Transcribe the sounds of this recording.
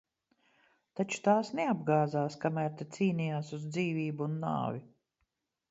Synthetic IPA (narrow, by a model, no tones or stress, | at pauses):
t̪at͡ʃu̥t̪aːsnɛab̚ɡaːzaːskamæːɾt̪et̪siːnijaːsuzd̪ziːviːbuːnːa̰ːvʲi